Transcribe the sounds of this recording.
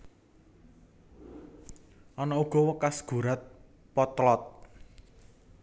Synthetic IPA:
ʔɔnɔuɡ̥ɔ̤wəkasɡ̥ṳɾat̪̚ | pɔt̪lɔt̪̚

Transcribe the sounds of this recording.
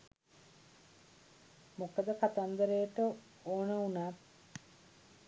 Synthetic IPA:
mokəd̪əkat̪and̪əɾejəʈə | oːnəunat̪̚

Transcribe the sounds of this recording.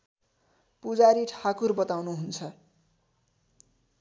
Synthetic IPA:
pud͡zaɾiʈʰakurbʌt̪awnuɦunt͡sʰʌ

